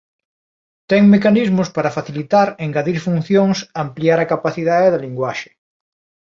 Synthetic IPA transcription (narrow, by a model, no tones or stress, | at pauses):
t̪ɛŋmekanizmʊspaɾafaθilit̪aɾeŋɡaðiɾfun̟θjoŋsampliaɾakapaθiðaðeðaliŋɡwaʃe̥